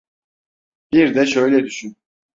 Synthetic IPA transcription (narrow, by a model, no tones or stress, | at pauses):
b̥iɾd̪ɛʃø̞jlʲɛd̪yʃyn